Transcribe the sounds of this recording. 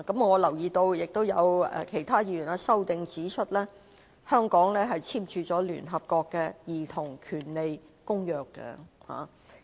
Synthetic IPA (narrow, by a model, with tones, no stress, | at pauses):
kɐ˨˥mŋɔː˨˧lɐ˨˩wjiː˧t̪o˧wjɪ˨k̚t̪o˥wjɐ˨˧wɛ̰˧kʰe˨˩jt̪ʰaː˥jiː˧jyː˨˩naː˥sɐ˥wt̪ɪ˧ŋt͡siː˨˥t͡ʃʰɵ˥t̚lɛː˥ | hœː˥ŋkɔː˨˥ŋlɛː˥ɦɐ˨jt͡sʰiː˥mt͡ʃʰyː˨˧t͡sɔː˨˥ly̰ː˨˩nɦɐ˨p̚kɔː˧kːɛː˧jiː˨˩t̪ʰʊ˨˩ŋkʰyː˨˩nle˨jkʊ˥ŋjœː˨kːɛ̰˧ha̰ː˨